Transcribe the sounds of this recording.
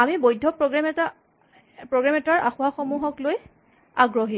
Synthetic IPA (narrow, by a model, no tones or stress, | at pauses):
amibojdʱːɔpɹɔɡamɛta | pɹoɡɹamɛtaɹʔaxʊwaxɔmuɦɔkloj | aɡɹɔɦi